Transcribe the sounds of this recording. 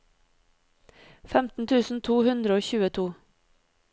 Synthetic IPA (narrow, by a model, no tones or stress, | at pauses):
fɛmt̪n̩t̪ʰʉːsn̩t̪ʰuːhʉnd̪ɾəoːçʉːət̪ʰuː